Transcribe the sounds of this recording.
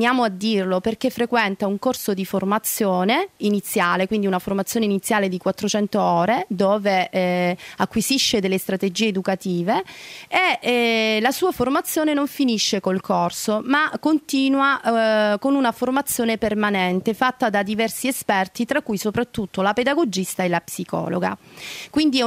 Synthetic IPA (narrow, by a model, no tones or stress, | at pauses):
njaːmoad̪ːirloperk̟efːɾekwɛnt̪auŋkorsod̪iformat̪sːjoːneinit̪sːjaːlekwind̪iunaformat̪sjoːneinit̪sːjaːled̪ikwat̪ːɾot͡ʃɛnt̪oɔːɾed̪oːve | akːwiziʃːed̪elːest̪ɾat̪ed͡ʒiːeed̪ukat̪iːvee | lasuːaformat̪sːjoːnenoɱfiniʃːekolkorsomakːont̪iːnwakonunaformat̪sːjoːnepermanɛnt̪efat̪ːad̪ad̪ivɛrsiespɛrt̪it̪ɾakːujsopɾat̪ːut̪ːolaped̪aɡod͡ʒist̪aelapsikɔ̰ːlo̰ɡa̰kwind̪i